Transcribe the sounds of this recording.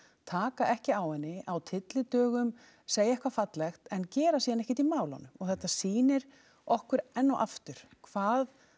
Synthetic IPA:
t̪ʰaːkaʔɛhcɪawhɛnːɪʔawt̪ʰɪt̪lɪt̪œːɣʏm | seːjaɛhkvafat̪lɛxt̪ɛncɛːɾasiːðanɛhcɪ̥t̪imaːwla̰nʏɔɣθɛht̪ːasiːnɪɾ | ɔhkʏɾɛnːɔʔaft̪ʏɾ̥kʰvaːð

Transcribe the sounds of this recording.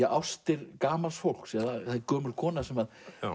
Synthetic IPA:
ɛawst̪ɪɾkaːmalsfowl̥ksɛðaθakœːmʏɾkʰɔːnasɛmað

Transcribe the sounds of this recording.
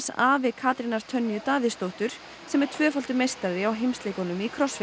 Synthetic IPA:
sa̰ːvɛkʰaːt̪ɾinaɾ̥t̪ʰœnːjʏt̪aːvɪst̪owht̪ʏɾ̥ | sɛmɛɾ̥t̪ʰvœːfalt̪ʏmejst̪aðɪawɦejmst̪lejkɔnʏmikʰɾɔsf

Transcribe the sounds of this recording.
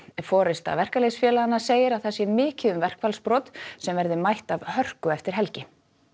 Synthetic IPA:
fɔːɾɪst̪a̰vɛr̥kalesfjɛːlaanːaseːjɪɾawθɛsːɪmɪːcɪðʏmvɛr̥kvalspɾɔːt̪sɛmvɛɾðɪmajht̪avhœr̥kʏɛft̪ɪɾ̥ɦɛlcɪ

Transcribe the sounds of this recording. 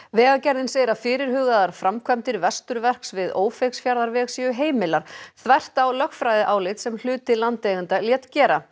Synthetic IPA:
vɛːɣacɛɾðɪnseːjɪɾafɪːɾɪɾ̥ɦʏːɣaðaɾ̥fɾamkʰvœmt̪ɪɾvɛst̪ʏɾvɛr̥ksvɪðoːwfejksfjaɾðaɾvɛːɣsɛʏɦeːjmɪlaɾ̥θvɛjr̥t̪awlœxfɾaːjðɪʔaːwlɪt̪sɛml̥ʏːt̪ɪlant̪eːɣʏnt̪aljɛt̪cɛːɾa

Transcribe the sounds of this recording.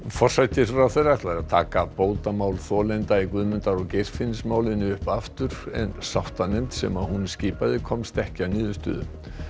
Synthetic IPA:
fɔr̥sajt̪ɪsraθejrat̪laɾaðt̪ʰa̰ːkapoːwt̪amaːwlθɔːlɛnt̪aikvʏðmʏnt̪aɾɔɣcejr̥fɪnːɪsmaːwlɪnɪʏhpaft̪ʏɾ̥ɛ̰nsawht̪anejmt̪sɛ̰maðhunsciːpaðɪkʰɔmst̪ɛhcɪanɪːðʏst̪ʏ̰ːðʏ̰

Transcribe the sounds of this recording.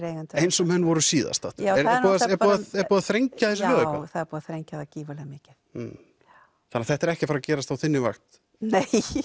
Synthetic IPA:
ɾejɣant̪ejnsɔmhœnːvɔɾʏsiːða̰st̪aht̪aɛɾɛpɔðɛɾpɔðaɛɾpɔːðaθɾejɲcaθɛsɪlœːðʏpaθaðɛɾpɔːðaθɾejɲcaðaciːvalɛɣamɪːcɪθ̩ | θanːaθɛht̪ɛɾɛhcɪfaɾacɛːɾast̪awθɪnːɪvaxt̪ | nej

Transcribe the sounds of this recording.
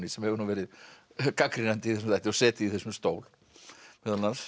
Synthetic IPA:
nɪsɛmhɛvʏɾnuvɛːɾɪð | kakɾɪnant̪ɪiθɛs̬ʏmajht̪ɪɔsɛːt̪ɪiθɛsʏmst̪oːwl | mɛðana

